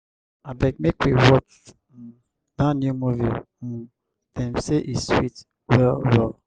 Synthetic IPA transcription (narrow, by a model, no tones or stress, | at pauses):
abɛk̚mekwiwɔt͡ʃ | dãnjumuvḭ | dɛ̃mseʔiswit | wɛlwɛl